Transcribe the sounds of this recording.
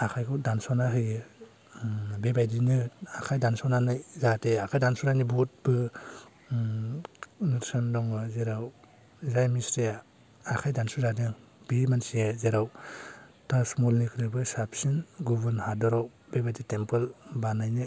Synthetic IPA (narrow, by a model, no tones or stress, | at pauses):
akʰajkʰɔdansɔnaɦɯjɯ | bebajdinɯakʰajdansɔnanɯjzateakʰajdansuɾajnibut̚bɯ | nɯɾsɔndɔŋɯzeɾaw | zajmisɾija | akʰajdansuzadɯŋ | b̥imansiɯzeɾaw | tasmulnikʰɾɯbɯsapsinɡubɯnhadɔɾaw | bebajditempɯlbanajnɯ